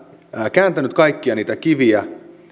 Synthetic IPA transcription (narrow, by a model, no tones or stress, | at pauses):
kæːnt̪ænyt̪kɑikːiɑniːt̪ækiʋiæ